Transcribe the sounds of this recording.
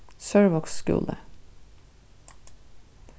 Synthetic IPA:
søːɹʋɔksskʉ̰ːlə

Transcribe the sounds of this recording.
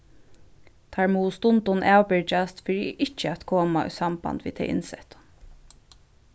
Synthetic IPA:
t̪ʰaːɹmuːst̪ʊnt̪ʊnʔaːwpɪɹt͡ʃast̪fɪɹɪʔɪt͡ʃːəæt̪kʰoːmaʊ̰samba̰nt̪ʋḭːt̪ʰɛ̰ɪjʔɪ̰nsɛht̪ʊ̥n

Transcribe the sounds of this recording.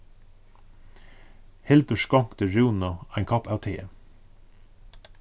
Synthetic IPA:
hɛld̪əʃkɑŋkt̪əɹʉːnɑæɪŋkʰɑpæːt̪ʰeːə

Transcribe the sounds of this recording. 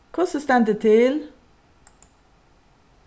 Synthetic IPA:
kʰɔsɔst̪ɛnd̪ət̪ʰɪl

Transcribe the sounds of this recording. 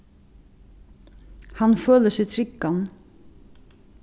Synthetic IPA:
hɑnføːləsɛt̪ʰɾʏkːɑn

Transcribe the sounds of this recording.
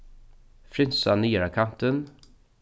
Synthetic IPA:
fɾɪnsaniːɾakʰant̪ən

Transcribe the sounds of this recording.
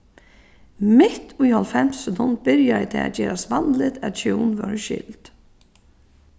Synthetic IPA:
mɪt̪ʊjhɔlfɛm̥sɛt̪ʰʊnt̪̚bɪɾjaɪt̪ʰɪ̰a̰d͡ʒɛːɾasʋand̪lɪt̪æt͡ʃʰuːnʋœ̰ɹʃɪ̰lt̪

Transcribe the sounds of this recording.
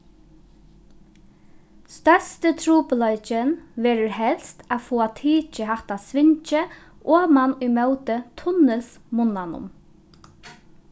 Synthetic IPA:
st̪œst̪ət̪ʰɾuːpəlɔjt͡ʃənʋɛːɾəɹhɛlst̪afoːat̪ʰiːt͡ʃəɦaht̪asʋɪɲt͡ʃə | ʔoːmanʊjmœwt̪ət̪ʰʊnɪsmʊnanʊ̰m

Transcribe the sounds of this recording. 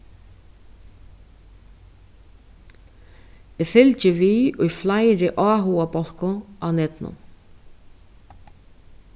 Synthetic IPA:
ɪːfɪlt͡ʃɪviʊjflajɾɪʔɔːɦuːapɔl̥kʊʔawnɛt̪nʊ̰n

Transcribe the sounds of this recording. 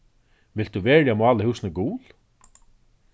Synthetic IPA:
ʋɪlt̪̚d̪uʋeːɹjamʊɑːləhɪwsnəɡuːl

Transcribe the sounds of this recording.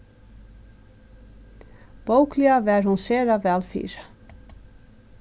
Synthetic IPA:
b̥owklɪavɛːɾhunseːɾavɛːlfḭːɾa

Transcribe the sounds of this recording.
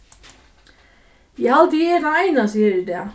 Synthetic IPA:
jaːwt̪iɛɾθaaːjnasiːɾɪd̪ɛ

